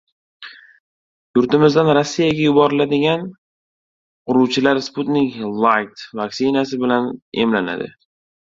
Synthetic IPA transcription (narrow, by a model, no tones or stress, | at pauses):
j̪ʊɾt̪ɪmɪzd̪anɾasːijaɡʲajʊbɒɾɪlad̪ɪɡʲan | qʰʊɾuwt͡ʃʰɪlaɾsput̪nɪkʲlˠajt̪vaksɪnasɪbɪlane̞̰mlana̰d̪ɪ̰